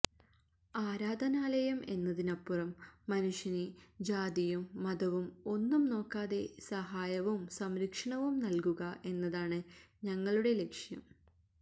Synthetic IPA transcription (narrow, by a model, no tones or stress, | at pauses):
aːɾaːd̪ʱɐnaːlɐjɐme̞nːɐðinɐpːurɐmːɐnuʂjɐnid͡ʑaːd̪ijumːɐd̪ɐʋumo̞nːumno̞ːkːaːðe̞sɐɦaːjɐʋumsɐmɾikʂɐɳɐʋumnɐlkuɣɐʔe̞nːɐðaːɳɨɲɐŋːɐɭuɽe̞le̞kʂjɐ̰m